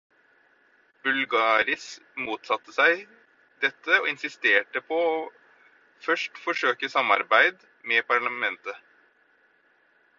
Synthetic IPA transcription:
bʉlɡɑːɾɪsmuːt̪sɑt̪ːəsæɪ | d̪̥ɛt̪ːəɔɪnsɪst̪eːʈəpʰɔɔ | fœʂʈfɔʂøːkəsɑmːɑ̰ɾbæɪd̪ | mɛpɑɭɑmɛnt̪ə

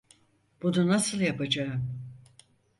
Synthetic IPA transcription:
b̥ununasɯlˠjapad͡ʒaɯm

